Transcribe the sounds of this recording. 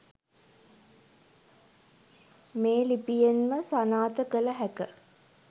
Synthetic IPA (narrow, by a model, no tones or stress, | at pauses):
meːlipijenməsanaːt̪əkələɦækə